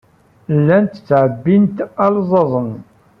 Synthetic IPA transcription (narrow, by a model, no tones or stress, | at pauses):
lːænt̪ə̥t͡sːʕəbːint̪ælzˤɑðˤən